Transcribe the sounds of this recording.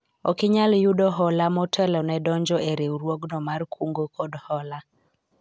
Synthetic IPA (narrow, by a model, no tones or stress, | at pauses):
ɔkɪɲaljudɔɦɔlamɔtʰɛlɔnɛdɔɲd͡ʒɔʔeɾeuɾwoɡnɔmarkʰuŋɡokʰɔdhɔla